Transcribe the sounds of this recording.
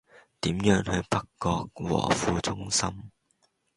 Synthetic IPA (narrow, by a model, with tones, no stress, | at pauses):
t̪iː˨˥mjœː˥ŋhɵ˧ɥpɐ˥kːɔː˧k̚wɔ̰ː˨˩fuː˧t͡sʊ˥ŋsɐ˥m